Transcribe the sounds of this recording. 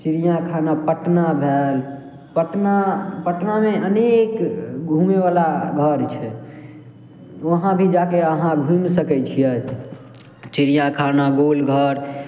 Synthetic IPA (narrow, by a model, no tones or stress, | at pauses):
t͡ʃiɾijãkʰanapəʈnabʱel | pəʈnapəʈnameənekɡʱumeʋalaɡʱəɾt͡ʃʰɛ | ʋəɦãbʱid͡ʒakeəɦãɡʱũmsəkɛt͡ʃʰijɛ | t͡ʃiɾijãkʰanaɡolɡʱəɾ